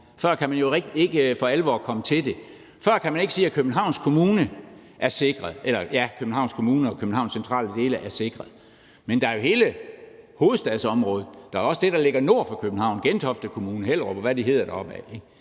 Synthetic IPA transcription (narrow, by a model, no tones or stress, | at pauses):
fɶɐ̰kʰæmænjo̝ʁeɡ̥d̥ie̝ɡ̥əfɒ̽ælʋɒ̰ːkʰɒ̽mət͡sʰe̝ld̥e̝ | fɶɐ̰kʰæmæne̝ɡ̥əsiːækʰøb̥̚n̩ɦɑ̈ʊ̰nskʰo̝muːnəʔæɐse̝ɡ̥ʁɐðˠelɐjækʰøb̥̚n̩hɑ̈ʊ̰nskʰo̝muːnəɒ̽kʰøb̥n̩hɑ̈ʊnsent͡sʰʁɑ̰̈ːləd̥e̝ːləʔæɐse̝ɡ̥ʁɐð̩ˠ | mend̥ɑ̈æɐjo̝he̝ːləho̝ːð̩ˠsd̥ɛðˠsɒ̽mʁɔ̽ːð̞ˠd̥ɑ̈æɐɒ̽səd̥e̝d̥ɑ̈le̝ɡ̥ɐno̝ɐ̰fɑ̈kʰøb̥̚n̩hɑ̈ʊ̰nɡ̥ent͡sʰɒ̽fd̥əkʰo̝muːnəɦel̰ʁɒb̥ɒʋæd̥iɦe̝ð̰ˠɐɾ̥ɑɒ̽b̥æeɡ̥